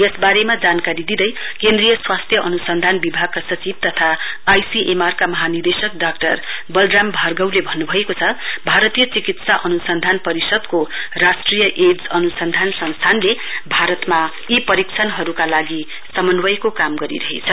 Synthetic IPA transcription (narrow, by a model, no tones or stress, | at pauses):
jesbaɾemad͡zankaɾid̪id̪ʌj | kend̪rijʌswast̪ʰjʌʔʌnusʌnd̪ʱanbibʱaɡ̚kasʌt͡sib̚t̪ʌt̪ʰaːjsiʔemarkamʌɦanird̪esʌk̚ɖakʈʌrbʌlɖrambʱarɡʌwlebʱʌnːubʱʌekot͡sʰʌbʱaɾʌt̪ijʌt͡sikit̪saʔʌnusʌnd̪ʱanpʌɾisʌd̪korasʈrijʌʔed͡zʌnusʌnd̪ʱansʌ̃ñst̪ʰanlebʱaɾʌt̪majipʌɾikt͡sʰʌnɦʌɾukalaɡi | sʌmʌnwʌjkokamɡʌɾḭɾʌɦḛt͡sʰʌ